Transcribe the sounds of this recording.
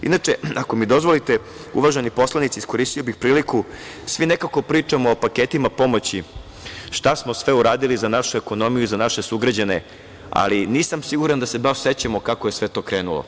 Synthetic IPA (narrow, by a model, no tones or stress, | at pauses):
ḭnat͡ʂeako̞mid̪o̞zʋo̞lit̪e | ṵʋaʒenipo̞slˠanit̪sisko̞ɾist̪io̞bixpɾiːlikusʋinekako̞pɾiːt͡ʂamoːpaket̪imapo̞mo̞t͡ɕi | ʃt̪asmo̞sʋe̞uɾaːd̪ilizanaʃueko̞no̞mijuzanaʃesuɡɾad͡ʑane | a̰liniːsamsiɡuɾand̪ase̞baʃse̞t͡ɕamo̞kakoje̞sʋe̞t̪o̞ːkɾeːnulo̰